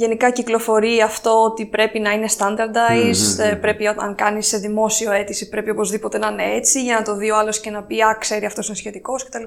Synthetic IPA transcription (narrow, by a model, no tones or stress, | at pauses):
ʝe̞nikɐciklo̞fo̞ɾiɐft̪o̞ot̪ipɾe̞pinɐine̞st̪ɐnd̪ɐɾd̪ɐjzpɾe̞pioɐ̰ŋkɐnisːeðimo̞sioe̞t̪isipɾe̞pio̞po̞zðipo̞t̪e̞nɐine̞et͡siʝɐnɐt̪o̞ðioɐlo̞sce̞nɐpiɐkse̞ɾiɐft̪osine̞sçe̞t̪iko̞sce̞t̪ɐliɐ